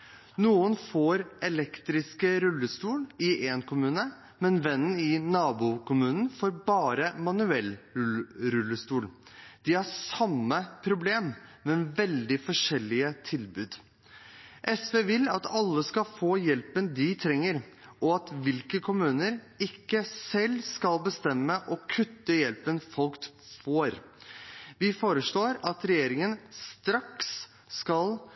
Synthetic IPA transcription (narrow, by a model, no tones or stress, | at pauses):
nuːənfoːɾʔɛlɛkt̪ɾɪskəɾʉlːəst̪uːlɪʔɛnkʰʊmʉːnə | mɛnʋɛnn̩ɪnɑːbukʊmʉːnn̩foːɾbɑːɾəmɑnʉɛlʉɾʉlːəst̪uːld̪̥ɪhɑsɑmːəpʰɾʊbleːmmɛʋɛld̪ɪfɔʂɛlːɪət̪ʰɪlbʉːd̪ | ʔɛsʋeːʋɪlɑt̪ɑlːəskɑlfoːjɛlpənd̪ɪt̪ʰɾɛŋːəɾ | ʔɔɑt̪ʋɪlkəkʰʊmʉːnəɾ | ɪkːəsɛlːskɑlbəst̪ɛmːəʔɔkʰʉt̪ːəjɛlpənfɔlkt̪ | foːɾ | ʋɪfoːɾəʂɭoːɾɑt̪ɾɛjeːɾɪŋənst̪ɾɑksː | kɑl